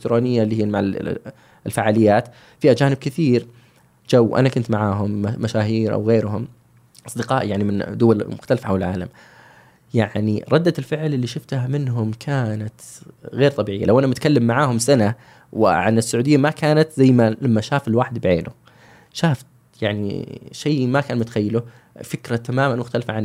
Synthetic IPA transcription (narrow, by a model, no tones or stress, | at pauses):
ɪk̚t̪ɾoːnɪjːalːiːhiːmaʕal | ɪlfaʕaːlɪjːaːt̪ | fiːhad͡ʒaːnɪb̚kɪθiːɾ | d͡ʒawːʔa̰nakʊnt̪maʕaːɦʊmːaʃaːɦiːɾʔa̰wɣeːɾɦʊm | ʔɑsˤd̪ɪqɑːʔjaʕnimɪnd̪ʊwal̰mʊxt̪alfaħawɪlʕaːla̰m | jaʕniɾˤɑd̪ːatɪlfɪʕlʔɪlːiʃʊft̪amɪnɦʊmkʰaːnat̪ɣeːɾt̪ˤɑbiːʕɪjːa̰lawʔanamʊt̪kalːamːaʕaːhʊmsana | wɪ̰ʕa̰nɪsːʊʕuːd̪ɪjːamakaːnat̪zajːmalamːaʃaːfɪlwaːħɪd̪bɪʕḛːnʊ̰ | ʃaːft̪ | jaʕnḭʃajːmakaːnmʊt̪axajːalʊ | fɪkɾat̪amaːmanmʊxt̪alfaʕan